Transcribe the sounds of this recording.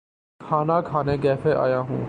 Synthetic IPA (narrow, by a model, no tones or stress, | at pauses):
hɑnɑkhɑnɛɡɛpʰɛʔɑ̰jɑɦṵ̃